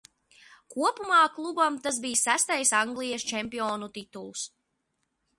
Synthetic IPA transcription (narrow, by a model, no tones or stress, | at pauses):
kuɔpumaːklˠubamt̪as̬bijsæst̪ajsaŋɡlʲˠijɛst͡ʃɛmʲpiɔːnut̪it̪ulˠs